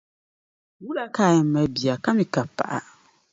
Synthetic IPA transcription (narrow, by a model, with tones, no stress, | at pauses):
wu˦la˨kʰaː˦˨jɪ˨m˦mɛ̃˨bi˨a˨kʰa˦mɪ̃˨ka˨pʰa̰˨ʔa̰˨